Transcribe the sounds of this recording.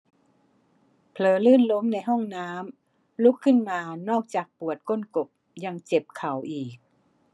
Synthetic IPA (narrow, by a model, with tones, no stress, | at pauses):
pʰlɤː˨˩lɯː˥˩nlo˧˦˥mna˧˥jɦɔ˥˩ŋnaː˦˥m | lu˦˥kʰːɯ˥˩˨nmaː˧nɔː˥˩k̚t͡ɕaː˨˩k̚pu˨˩ət̪̚ko˧˥˨nko˨˩p̚ | ja˧ŋt͡ɕe˨˩p̚kʰa˨˩wʔiː˨˩k̚